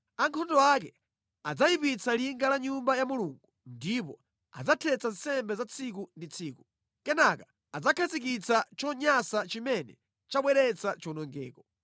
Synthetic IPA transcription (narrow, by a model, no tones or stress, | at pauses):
aŋkʰɔndɔakɛ | ad͡zajipit͡saliŋɡalaɲumbajamuluŋɡundip̬ɔ | a̰d͡zatʰɛt͡san̩sɛmbɛzat͡sʰikundit͡sʰiːku | kɛnaka | ad͡zakʰazik̬it͡sat͡ʃɔɲasat͡ʃimɛnɛ̰ | t͡ʃaɓwɛɾɛt͡sat͡ʃɔnɔŋɡɛ̰ːkɔ